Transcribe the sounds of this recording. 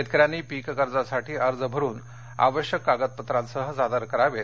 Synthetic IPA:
et̪̚kəɾjanːiːpikkəɾd͡zasaʈʰiːəɾd͡zəbʱəɾuːn | a̰ʋəɕjəkːaɡət̪̚pət̪ɾãnsəɦəd͡zad̪əɾkəɾaʋe

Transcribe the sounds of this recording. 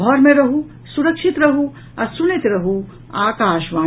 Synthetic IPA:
ɡʱɔɾmẽɾɐɦu | suɾɐkʃit̪ɾɐɦu | ɐɾsunit̪ɾɐɦu | aːkaːʃʋãː

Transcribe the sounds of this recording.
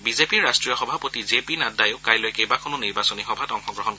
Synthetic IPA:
bizepiɹɹastɹijɔxɔbʱapotizepinadajʊkajlojkejbakʰɔnɔniɹbasɔnixɔbʱatɔŋxɔɡɹɔɦɔn

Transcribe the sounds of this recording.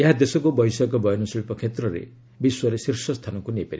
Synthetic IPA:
eɦad̪esɔkubɔjsakɔbɔjɔnɔsiɭipɔkʰet̪ɾɔɾḛ | biswɔɾesiɾsɔst̪ʰanɔkunepeɾḭ

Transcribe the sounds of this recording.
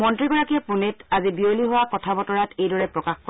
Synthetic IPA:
mɔntɹiɡɔɹakiɔpunetazibioliɦʊwakɔtʰabɔtɔɹatejdɔɹɛpɹɔkaxkɔ

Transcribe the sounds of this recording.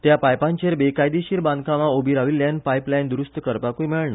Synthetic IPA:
t̪japajpãɲt͡ɕeɾbekajd̪iɕiːɾbãnd̪kãʋaobiɾaʋilːjanpajplajnd̪ɾust̪əkəɾpakũjmeɭna

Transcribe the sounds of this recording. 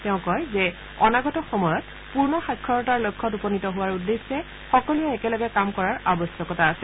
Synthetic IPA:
tɛʊ̃kɔjzɛ | ɔnaɡɔtɔxɔmɔjɔt | puɹnɔxakʰːɔɹɔtaɹlojkʰːɔtupɔnitɔɦʊwaɹudːesːɛ | xɔkɔlujɛɛkɛlɔɡɛkamkɔɹaɹabɔsjɔkɔtaːsɛ

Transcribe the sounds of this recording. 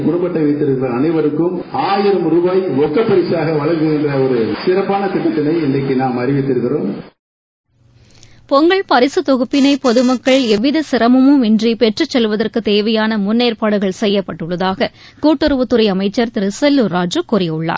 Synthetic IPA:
ɡʊɽɐmbɐʈːɐʋɛɪt̪ːɪɾɯɣɪɾɐɐnɐɪʋɐɾɯkːɯm | aːjɪɾɐmɾubaːjʋɔkːɐpːɐɾɪsaːɣɐʋɐɭɐɾkɯɣɪndrɐɔɾɯsɪɾɐpːaːnɐt̪ɪʈːɐt̪ːɐnɐɪɛndɐkːɯnaːmɐɾɪʋɪt̪ːɪɾɯɣɪɾoːm | pɔŋɡɐɭpɐɾɪsɯt̪ɔɣɯpːɪnɐɪpɔðɯmɐkːɐɭɛʋːɪðɐsɪɾɐmɯmɯmɪndripɛʈrɯt͡ʃːɛlʋɐðɐrkɯt̪eːʋɐjaːnɐmʊnːeːrpaːɽɯɣɐɭsɛjːɐpːɐʈːɯɭːɐðaːɣɐ | kuːʈːɯɾɯʋɯt̪ːʊɾɐɪɐmɐɪt͡ʃːɐɾt̪ɪɾɪsɐlːɯɾaːd͡ʒɯkuːrɐjɯɭːa̰ːɾ

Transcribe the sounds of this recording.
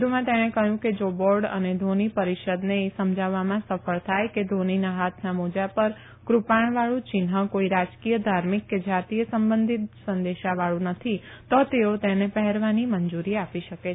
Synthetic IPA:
d̪ʱumãt̪eɽ̃ekəɦjũked͡ʒoboɾɖə̰ned̪ʱonipəɾiʃəd̪nesəmd͡ʒʱaʋamãsəfəɭt̪ʰajked̪ʱoninaɦat̪ʰnamod͡ʒapəɾ | kɾupaɳʋaɭũt͡ʃɪnɦəkoiɾad͡ʒkijəd̪ʱaɾmikːed͡ʒat̪ijəsəmbənd̪ʱit̪sə̃nd̪eʃaʋaɭũnət̪ʰit̪ot̪eot̪enepəɦɛɾʋaniməɲd͡ʒuɾiapiʃəke

